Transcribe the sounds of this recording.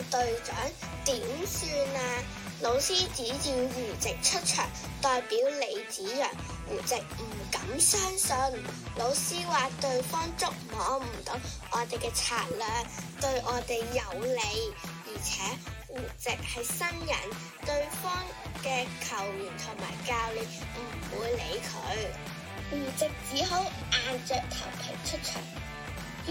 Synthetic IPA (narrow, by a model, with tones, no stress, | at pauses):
t̪ɵ˧ɥt͡ʃœː˨˥ŋ | t̪iː˨˥msyː˧naː˧ | lo˨˧wsiː˥t͡siː˨˥jiː˧jyː˨˩t͡sɪ˨k̚t͡ʃʰɵ˥t̚t͡ʃʰœ̰ː˨˩ŋ | t̪ɔː˨˧jpiː˨˥wle˨˧jt͡siː˨˥jœ̰ː˨˩ŋ | wṵː˨˩t͡sɪ˨k̚m̩˨˩kɐ˨˥msœː˥ŋsɔ˧nlo˨˧wsiː˥waː˨t̪ɵ˧ɥfɔː˥ŋt͡sʊ˥k̚mɔː˨˥m̩˨˩t̪o˨˥wʔɔː˨˧t̪e˨jkɛː˧t͡sʰaː˧t̚lœː˨ŋt̪ɵ˧ɥʔɔː˨˧t̪e˨jːɐ˨˧wle˨˧jjiː˨˩t͡sʰɛː˨˥wuː˨˩t͡sɪ˨k̚hɐ˨jsɐ˥njɐ̰˨˩n | t̪ɵ˧ɥfɔː˥ŋ | kɛː˧kʰɐ˨˩wliː˨˩nt̪ʰʊ˨˩ŋma̰ː˨˩jkaː˧wle˨˧m̩˨˩wuː˨˧jlḛ˨˧˥jkʰɵ˨˧˥ɥ | wuː˨˩t͡sɪ˨k̚t͡siː˨˥ɦo˨˥w | ʔaː˨˧nt͡sœː˧k̚t̪ʰɐ̰˨˩wpʰɪ̰˨˩ŋt͡ʃʰɵ˥t̚t͡ʃʰœ̰ː˨˩ŋ